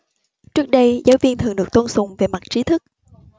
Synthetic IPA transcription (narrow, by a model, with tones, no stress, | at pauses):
t͡ɕɨ˦˥k̚ɗə˧jzaː˨˦wvi˧ənt̪ʰɨ˨˩əŋɗɨ˨˩ək̚t̪o˧nsʊ˨˩ŋ͡mve˨˩ma˨˩t̚t͡ɕi˨˦t̪ʰɨ˦˥k̚